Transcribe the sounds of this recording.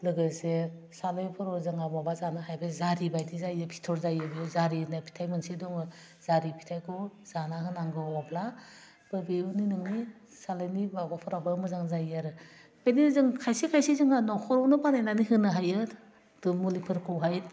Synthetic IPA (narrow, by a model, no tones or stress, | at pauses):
lɯɡɯse | salɯjpʰɯɾɔzɯŋababazanɯɦajbɯzaɾibajdizajɯpʰi̥tʰɔɾzajɯbzaɾinapʰi̥tʰajmɯnsidɔŋɯ | z̥aɾipʰi̥tʰajkʰɔz̥anahɯnaŋɡɯabla | b̥ɯbeuninɯŋni | salɯjnibabapʰɔɾabɯmɯzaŋzajaɾɯ | penizɯŋkʰajsikʰajsizɯŋanɔkʰɔɾɔwnɯpanajnaniɦɯnɯɦajɯ | d̥ɯmulipʰɯɾkʰɯwɦajt̚